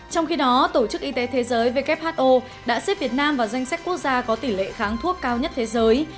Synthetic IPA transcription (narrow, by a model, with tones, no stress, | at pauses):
t͡ɕɔ˧wŋ͡mxi˧ɗɔ˨˦t̪o˧˩t͡ɕɨ˦˥k̚ʔi˧t̪e˨˦t̪ʰe˨˦zəː˨˦jve˨˩kɛ˦˥p̚haː˦˥t̚ʔo˧ | ɗa̰ː˧˥se˦˥p̚vi˨˩ət̚naː˧mvaː˨˩za˧jŋ̟sa˦˥k̟̚ku˦˥ək̚zaː˧kɔ˨˦t̪i˧˩lḛ˧˨xaː˨˦ŋt̪ʰu˦˥əkːaː˧wɲə˦˥t̚t̪ʰe˨˦zəː˨˦j